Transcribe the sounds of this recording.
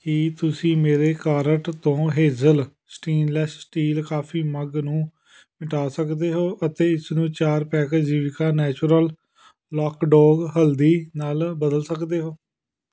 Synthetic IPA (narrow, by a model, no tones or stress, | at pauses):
kɪt̪ʊsĩːmeːɾeːkaːɾəʈt̪õːɦeːzəl | sʈiːnlɛːssʈiːlkaːpʰiːməɡnũː | mɪʈaːsəkd̪eːɦoːʔət̪eːɪsnũːt͡ʃaːɾpɛːkːd͡ʒiːʋɪkaːnɛːt͡ʃɾəl | lɔːkɖɔːɡɦəld̪iːnaːlbəd̪əlsəkd̪eːɦoː